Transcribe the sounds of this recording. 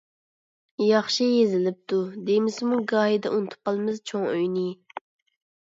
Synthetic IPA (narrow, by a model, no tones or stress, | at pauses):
jɑχʃijezɪlɪp̚t̪ʰud̪emɪsmuɡɑːɦid̪ɛ̰ʔunɨt̪ʰu̥p̚qɑlˠɨmɨzt͡ʃʰoŋøjnɪ